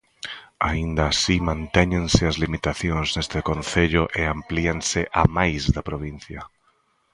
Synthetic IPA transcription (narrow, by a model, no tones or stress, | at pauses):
aind̪aːsimãnt̪eɲẽnseazlimit̪aθjonznest̪ekonθeʎoʔeamplianseʔamajzðapɾoβ̞in̟θja